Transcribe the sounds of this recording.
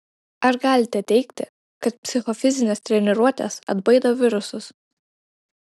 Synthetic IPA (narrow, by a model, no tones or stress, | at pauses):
ɐɾɡɑːlʲɪt̪ʲɛt̪ʲɛɪkt̪ʲɪ | kɐt̪pʲsʲɪxɔfʲɪzʲɪnʲest̪ʲɾʲɛnʲɛɾuɔt̪ʲḛsɐ̰d̪bɐɪd̪oːʋʲɪɾʊsʊs